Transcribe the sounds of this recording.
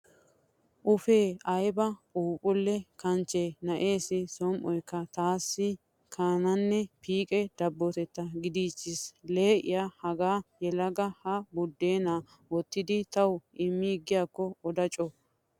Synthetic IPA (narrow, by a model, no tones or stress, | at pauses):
ʔʊfe̞ːɐjbɐpʼuːpʼʊlːɛkɐnt͡ʃːenɐʔe̞ːsɪsɔmʔɔjkːɐt̪aːsːɪ | kʰaːnɐnːɛpʰiːkʼɛd̪̥ɐbːɔt̪ɛt̪ːɐɡɪd̪iːt͡ʃːɪsle̞ːʔɪ̰jahɐɡaːjɛlɐɡɐhɐbʊd̪ːeːna | wɔt̪ːɪd̪ɪt̪ɐwɪmːiɡɪjaːkːɔɔd̪ɐt͡ʃʼɔ